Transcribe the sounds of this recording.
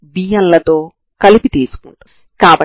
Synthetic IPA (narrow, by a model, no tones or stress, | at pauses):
biːjɐnlɐt̪o̞ː | kɐlipit̪iːsu̥kuɳʈu | kaːpɐ